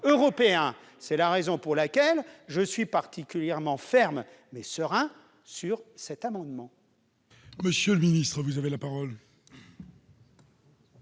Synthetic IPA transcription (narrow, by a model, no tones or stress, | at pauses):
øʁɔpeɛ̃ | sɛlaʁezɔ̃puʁlakʲɛlʒəsɥipaʁt̪ʰikʲyljɛʁmɑ̃fɛʁm | mɛsəʁɛ̃ | syʁsɛt̪amɑ̃d̪mɑ̃ | məsjələminist̪χəvuzavelapaʁɔl